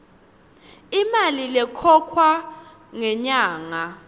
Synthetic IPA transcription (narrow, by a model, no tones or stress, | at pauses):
imalilɛkʰɔkʰwa | ŋɛɲaːŋa